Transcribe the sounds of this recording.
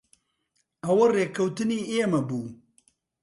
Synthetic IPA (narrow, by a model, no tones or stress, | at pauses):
ɐwɐreːkʰɐwt̪ɨniːʔeːmɐbuː